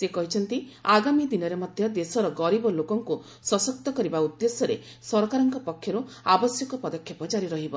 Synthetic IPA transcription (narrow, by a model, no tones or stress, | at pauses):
sekɔɦit͡ʃʰɔnt̪iaɡamid̪inɔɾemɔd̪ʱjɔd̪esɔɾɔɡɔɾibɔlokɔŋku | sɔsɔk̚t̪ɔkɔɾibaud̪ːesɔɾe | sɔɾkaɾɔŋkɔpɔkʰːjɔɾuabɔsjɔkɔpɔd̪ɔkʰːjɔpɔd͡ʒaɾiɾɔɦibɔ